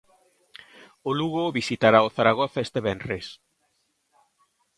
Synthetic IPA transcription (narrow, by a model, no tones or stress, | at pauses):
oluɣoβisit̪aɾaoθaɾaɣ̞oθaest̪eβɛnres